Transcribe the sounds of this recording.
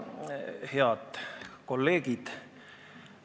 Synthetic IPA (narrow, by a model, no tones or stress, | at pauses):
he̞ɑd̪̥ko̞lːe̞ːɡ̥id̪̥